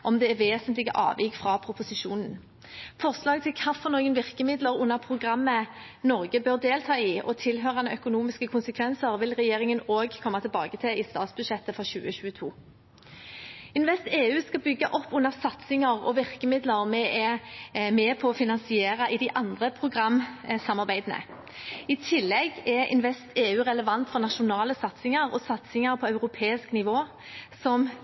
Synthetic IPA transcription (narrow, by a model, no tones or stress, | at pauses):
ʔɔmd̪ɛːʁʋeːsənt̪lɪɡə̰ʔɑ̰ːʋjɪkfʁɑpʰʁʊpʊsɪʃuːnn̩ | fɔʁslɑːɡt̪ʰɪlkʰɑfɔʁnoːɡənʋɪʁkəmɪd̪ləʁʊnːəʁpʰʁʊɡʁɑmːə | nɔʁɡəbøːʁd̪eːlt̪ʰɑːɪʔɔ̰t̪ʰɪlɦøːʁɑnəœkʊnuːmɪskəkʰʊnsəkʰʋɛnsəʁʋɪlʁɛjeːʁɪŋənoːɡkʰɔmːɑt̪ʰɪlbɑːɡət̪ʰɪlɪst̪ɑːt̪sbʉd̪ʂɛt̪ːəfɾɔɕʉːəçʉːət̪ʰuː | ɪnʋɛst̪eːʉːskɑbʏɡːɑʔɔpːʉnːəʁsɑt̪sɪŋɑʁɔ̰ʋɪʁkəmɪd̪ləʁmɛʔɛmɛpʰɔːfɪnɑnsɪeːɾɑʔɪd̪æɪʔɑnd̪ʁəpʰʁʊɡʁɑmsɑmɑʁbæɪd̪ənə̰ | ɪt̪ʰɪlːɛɡɛɪ̰nʋɛst̪eːʉːʁɛləʋɑnt̪fɔʁnɑʃʊnɑːləsɑt̪sɪŋɑʁɔsɑt̪sɪŋɑɾpʰɔɑʉʁʊpʰeːɪsknɪʋoː | sɔm